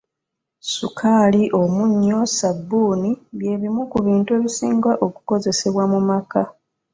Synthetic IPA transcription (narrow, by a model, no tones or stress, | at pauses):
sukʰaːliʔo̞muɲːo̞sabːuːniβje̞ːβimukuβiːntue̞ːβisiːŋɡaʔo̞ku̥ko̞ze̞se̞βwamumaka